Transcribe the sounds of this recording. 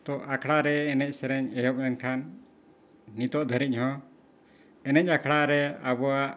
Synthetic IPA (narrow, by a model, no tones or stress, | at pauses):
t̪ɔʔakʰɽaɾɛːnɛc̚ˀsɛɾɛɲɛjɔp̚ɛnkʰanː | it̪ɔʔd̪ʱəɾiɲɦɔ̃ | ɛnɛc̚akʰɽaɾɛabɔwaʔ